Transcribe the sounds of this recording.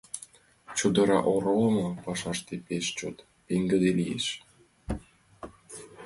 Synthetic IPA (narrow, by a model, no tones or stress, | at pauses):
t͡ɕud̪ɤ̆ɾɑ̰ʔoɾolˠɤmɑpɑʃɑʃt̪epeʃt͡ɕot̪ | pʲeŋɡɘ̆d̪elʲijḛʃ